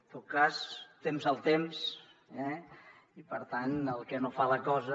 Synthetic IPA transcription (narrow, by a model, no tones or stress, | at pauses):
t̪ot̪̚kast̪emzəlˠt̪ems | ɛ | ipəɾt̪anəlˠkɛnofaləkɔzə